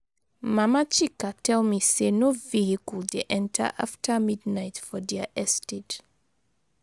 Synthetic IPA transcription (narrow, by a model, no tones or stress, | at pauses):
mamat͡ʃikatʰɛlmisenovihikuldeʔɛ̃ntʰə̰ʔa̰ftʰəmidnaɪtfɔdɛəʔɛstʰed